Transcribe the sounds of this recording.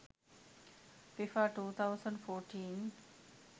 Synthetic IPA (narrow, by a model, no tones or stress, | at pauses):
fɪfaʈuːt̪ʰaʊsə̃ɳɖfoːɾʈĩːn